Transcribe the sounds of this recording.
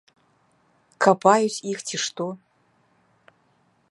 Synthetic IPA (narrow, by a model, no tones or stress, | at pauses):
kʰapʰajusʲixtʰiʂt̪ʰʼo